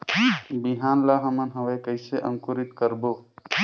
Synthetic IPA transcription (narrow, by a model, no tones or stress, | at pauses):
biɦaːnlaɦəmənɦəʋeːkəjseʔə̃ŋkuɾɪt̪kəɾboː